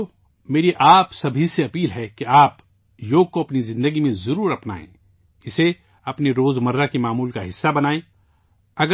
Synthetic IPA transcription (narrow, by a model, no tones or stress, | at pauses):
meːɾiʔaːpsɐbʱiseɐpiːlɦɛkeaːp | joːɡ̚koɐpnizɪ̃nd̪əɡimẽzɐɾuːɾɐpna̰ːḛ̃ | ɪse | ɐpneɾoːzmɐɾːakemaːmuːlkaɦɪsːabɐnaːẽ | ɐɡə